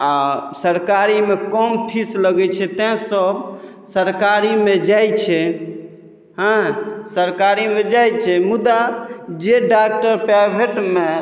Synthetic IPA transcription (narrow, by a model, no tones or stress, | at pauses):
asəɾkaɾimekɔmpʰisləɡɛt͡ʃʰɛt̪ɛ̃səb | səɾkaɾimed͡ʒajt͡ʃʰɛ | ɦə̃səɾkaɾimed͡ʒajt͡ʃʰɛmud̪ad͡ʒeɖak̚ʈəɾpabʱeʈme